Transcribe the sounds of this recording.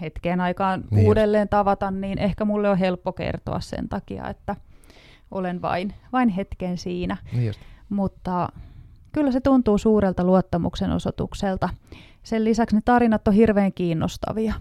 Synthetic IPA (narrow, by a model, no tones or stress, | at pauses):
het̪keːnɑikɑːnuːdelːeːnt̪ɑʋɑt̪ɑnniːnʔehkæmulːeoɦelpːokḛrt̪o̰ɑ̰ssḛnt̪ɑkiɑ̰ḛt̪ːæ | ʔolenʋɑ̰inʋɑinhet̪kensiːnæ | mut̪ːɑ | kylːæset̪unt̪uːsuːɾelt̪ɑluot̪ːɑmṵkseno̰sot̪ṵkselt̪ɑ | sellisæksnet̪ɑrinɑt̪ːohirʋeːŋkiːnːo̰st̪ɑ̰ʋiɑ